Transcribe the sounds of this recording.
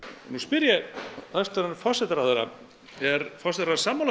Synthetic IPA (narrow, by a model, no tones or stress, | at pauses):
nuspɪɾjaθast̪aɾnfɔ̥sɛt̪aɾaðeɾa̰ | ɛɾfɔsɛt̪ɾasaːmala